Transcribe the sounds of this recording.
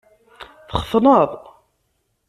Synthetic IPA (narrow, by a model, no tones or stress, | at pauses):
θχə̥θnəðˤ